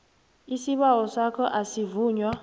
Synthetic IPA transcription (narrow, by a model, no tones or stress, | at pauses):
isiɓawɔsakʰɔʔasivuːɲwa